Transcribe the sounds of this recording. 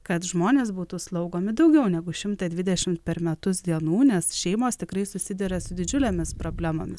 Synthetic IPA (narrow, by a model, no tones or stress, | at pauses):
kɐt̪ʒmoːnʲeːsbuːt̪uːslˠɒʊɡoːmʲɪd̪ɒʊɡʲɛʊnʲɛɡʊʃʲɪmt̪ɐd̪ʲʋʲɪd̪ʲɛʃʲɪmt̪̚pʲɛɾmʲɛt̪ʊsd̪ʲiɛnuːnʲɛsʃʲɛɪmoːst̪ʲɪkɾɐɪsʊsʲɪd̪ʲɛɾʲɛsʊd̪ʲɪd͡ʒʲʊlʲeːmʲɪspɾoːbʲlʲæmo̰ːmʲɪs